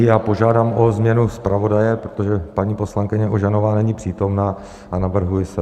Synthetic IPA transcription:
jaːpo̞ʒaːdaːmozmɲɛnuspɾavo̞dajɛpɾot̪o̞ʒɛpaɲiːpo̞slaŋkɪɲɛʔoʒanovaːnɛɲipr̝̥iːt̪o̞mnaː | ʔanavr̩ɦujɪsɛ

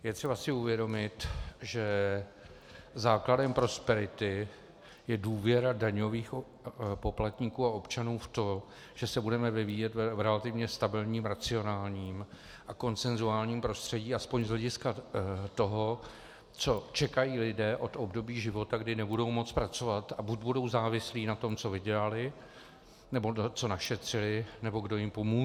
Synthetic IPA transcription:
jɛt̪r̥ɛbasɪuvjɛdo̞mɪt̪ʒɛ | zaːkladɛmpɾo̞spɛɾɪt̪ɪ | jɛduːvjɛɾadaɲo̞viːx | po̞plat̪ɲikuːao̞pt͡ʃanuːft̪o̞ | ʒ̥ɛsɛbudɛmɛvɪviːjɛt̪vɾɛlat̪ɪvɲɛst̪abɪlɲiːmɾat͡sɪo̞naːlɲiːm | ʔako̞nt͡sɛnzuaːlɲiːmpɾo̞st̪r̝̥ɛɟiːaspoɲzlɛɟɪskat̪o̞ɦo | t͡so̞t͡ʃɛkajiːlɪdɛːʔo̞t̪ʔobdo̞biːʒɪvo̞t̪aɡdɪnɛbudo̞wmo̞t͡spɾat͡so̞vat̪abuɟbudo̞wzaːvɪsliːnat̪o̞mt͡so̞vɪɟɛlalɪ | nɛbo̞t͡so̞naʃɛt̪r̝̥ɪlɪnɛbo̞ɡdo̞jɪmpomuː

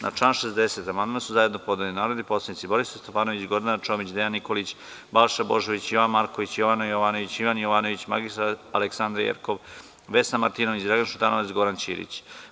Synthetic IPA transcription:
na̰t͡ʂanʃezd̪e̞se̞t̪amand̪mansuzaje̞d̪nopo̞d̪nelinaːɾod̪ipo̞slˠanit̪siboɾisst̪ofaːno̞ʋit͡ɕɡo̞ɾd̪ant͡ʃo̞ːmit͡ɕd̪ejanːikolit͡ɕ | balʃabo̞ʒoʋit͡ɕjoʋanmaɾko̞ʋit͡ɕjoʋanojoʋaːno̞ʋit͡ɕiʋanjoʋaːno̞ʋit͡ɕma̰ɡisaaleksand̪ɾjḛɾkoʋ | ʋesnamaɾt̪ino̞ʋit͡ɕd̪ɾaɡanʃut̪anoat̪siɡo̞ɾant͡ɕḭːɾḭt͡ɕ

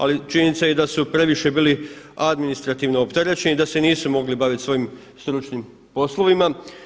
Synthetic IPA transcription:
a̰lit͡ʃinnit̪saje̞d̪asupɾe̞ʋiʃe̞biːliad̪minist̪ɾat̪iʋnoopt̪eɾe̞t͡ɕenid̪ase̞niːsumo̞ɡlibaʋit̪sʋo̞jim | st̪ɾut͡ʃnim | po̞slˠo̞ʋima

